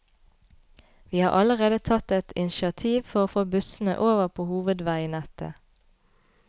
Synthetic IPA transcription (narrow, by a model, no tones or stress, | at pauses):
ʋiːhɑːʔɑləʁeːd̪ət̪ʰɑt̪ɛt̪ʰɪnʃɪɑt̪ʰiːʋfɔʁoːfoːbʉsn̩ə̰ʔoːʋəʁpʰoːhuːʋəd̪ʋæɪnɛt̪ə̰